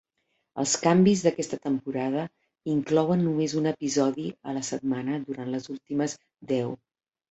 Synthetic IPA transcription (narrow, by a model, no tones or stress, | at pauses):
ə̰lˠskambizðəkɛst̪ət̪əmpuɾaðə | iŋklɔwənːumezunəpizɔðiə̰ləsət̪̚manəðuɾant̪ləzulˠt̪iməz | d̪ɛw